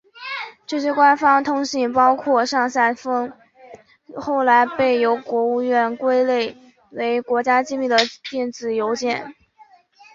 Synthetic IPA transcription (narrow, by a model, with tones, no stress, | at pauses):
ʈ͡ʂɤ˥˩ɕjɛ˥kwa˥nfɑ˥ŋt̪ʰʊ˥ŋɕi˥˩ŋpɑ˥ʊkʰwɔ˥˧ʂɑ˥˧ŋɕa˥˩ɪfɤ˥ŋ | xo˥˩ʊla˧˥ɪpe˥˩ɪjo˧˥ʊkwɔ˧˥u˥˧ɥɛ˥˩nkwe˥ɪle˥˩ɪ | we˧˥ɪkwɔ˧˥t͡ɕja˥t͡ɕi˥mi˥˩d̪ə˩t̪jɛ˥˩nt͡sɹ̩˨˩jo˧˥ʊt͡ɕjɛ˥˩n